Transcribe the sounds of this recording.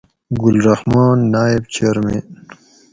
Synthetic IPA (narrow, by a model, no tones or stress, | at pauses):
ɡʊlɾahmɑːnːaːibt͡ɕeɾmḛ